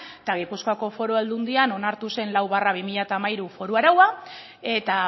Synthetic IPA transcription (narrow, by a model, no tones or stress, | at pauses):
et̪aɣ̞ipuskoako̞fo̞ɾoeld̪und̪iano̞naɾt̪use̞nlawβaraβ̞imiʎat̪aːmajɾufo̞ɾuaɾawa | e̞t̪a